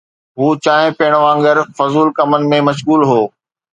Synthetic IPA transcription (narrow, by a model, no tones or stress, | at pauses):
ɦuːt͡ɕaːɦɪ̃peːɽ̃ʋãːŋɡəɾfɐzuːlkɐmənɪ̆mẽmɐʃɣuːlɦoː